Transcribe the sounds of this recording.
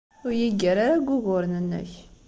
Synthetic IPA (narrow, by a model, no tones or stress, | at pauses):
ʊɾjiɡæɾaɾaɡʷːʊɣʊɾnənːæ̰ç